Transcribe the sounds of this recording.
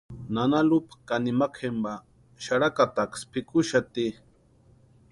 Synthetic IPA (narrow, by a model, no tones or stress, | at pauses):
nanalupḁkanimakʰemba | ʃaɾakat̪akspɪkʊʃat̪i